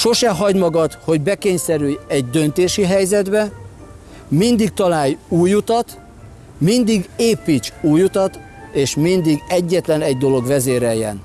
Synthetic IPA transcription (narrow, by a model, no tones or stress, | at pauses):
ʃo̞ʃɛɦɒɟmɒɡɒt̪ho̞ɟbɛkeːɲsɛɾyjɛɟd̪ø̞nt̪eːʃiɦɛjzɛd̪bɛ | mind̪ik̚t̪ɒlaːjuːjut̪ɒt̪ | mind̪iɡeːpit͡ʃuːjut̪ɒt̪ | eːʃmind̪iɡɛɟːɛt̪lɛnɛɟd̪o̞lo̞ɡʋɛzeːɾɛjːɛ̰n